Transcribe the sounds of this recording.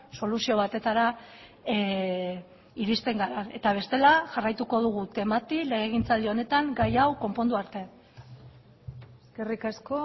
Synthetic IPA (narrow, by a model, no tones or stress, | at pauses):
so̞lusio̞β̞at̪e̞t̪aɾa | iɾist̪e̞ŋɡaɾane̞t̪aβ̞e̞st̪e̞laʝarajt̪uko̞ð̞uɣ̞ut̪e̞mat̪ile̞ɣ̞eɣ̞int͡sald̪io̞ne̞t̪aŋɡajawko̞mpo̞nd̪uaɾt̪e̞ | eskerikasko